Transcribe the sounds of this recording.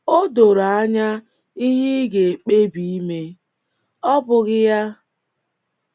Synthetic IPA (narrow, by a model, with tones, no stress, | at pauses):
o˦do˨ɾa˨a˦ɲa˦ | i˦ɦɪ˦ɡe˨e˨k͡pe˦bi˨i˦me˦ | ɔ˦bʊ˨ɣɪ˦ja˦